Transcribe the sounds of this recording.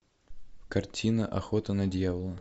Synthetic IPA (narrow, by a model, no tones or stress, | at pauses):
kɐrtʲʰinəʔɐxot̪ənɐdʲjavəlˠə